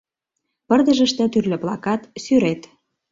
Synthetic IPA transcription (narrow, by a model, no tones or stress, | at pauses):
pə̆rd̪ə̆ʒə̆ʃt̪ĕt̪yrlə̆plɑkɑt̪syɾet̪